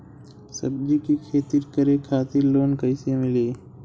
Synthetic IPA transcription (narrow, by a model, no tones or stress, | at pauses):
sə̰bd͡ʒikikʰeːt̪iɾkəɾekʰaːt̪ɪɾloːnkəɪsẽmɪliː